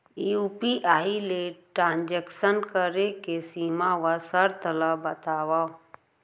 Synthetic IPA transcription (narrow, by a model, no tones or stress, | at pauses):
iupiʔaːileʈɾãːnd͡ʒeksənkəɾekesiːmaʋasəɾt̪ələbət̪aːʋa